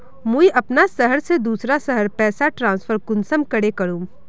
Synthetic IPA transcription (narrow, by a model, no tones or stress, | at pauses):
mũiʔɐpnasɐɦəɾsed̪uːsɾasɐɦəɾpɛːsaʈɾãːnsfʰəɾkʊnsəmkɐɽekɐɾũː